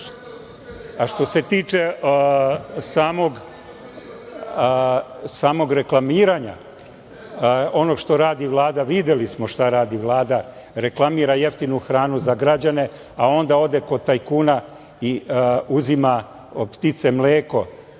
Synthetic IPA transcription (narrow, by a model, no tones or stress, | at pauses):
aʃt̪o̞se̞t̪iːt͡ʃe̞ | saːmo̞ɡ | saːmo̞ɡɾe̞klˠamiːɾaɲa̰ | o̞noɡʃt̪o̞ɾaːd̪iʋlˠaːd̪aʋid̪elismo̞ʃt̪aɾaːd̪iʋlˠaːd̪a | ɾe̞klˠamiːɾaje̞ft̪inuxɾaːnuzaɡɾad͡ʑane̞ | ao̞nd̪ao̞d̪eko̞t̪ajkuːna | iuzima | pt̪it̪se̞mleːko̞